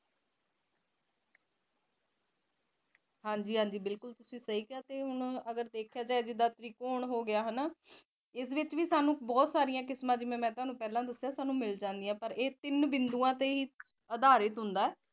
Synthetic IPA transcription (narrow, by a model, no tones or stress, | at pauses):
hãːɲd͡ʒiːɦãːɲd͡ʒiːbɪlkʊlt̪ʊsĩːsəɦiːkɪaːt̪eːɦʊnəɡəɾd̪eːkʰjaːd͡ʒaːed͡ʒɪd̪aːt̪əɾiːkoːɳɦoːɡɪjaːɦənaː | ɪs̬ʋɪt͡ʃʋiːsaːnũːbɔːt̪saːɾɪjãːkɪsmãːd͡ʒɪmẽːmɛ̃ːt̪ʊɦaːnũːpɛːlãːd̪əsːjaːsaːnũːmɪld͡ʒãːnd̪ijãːpəɾeːt̪ɪnʋɪnd̪uːãːt̪eːɦiː | əd̪aːɾɪt̪ɦʊnd̪aːɛː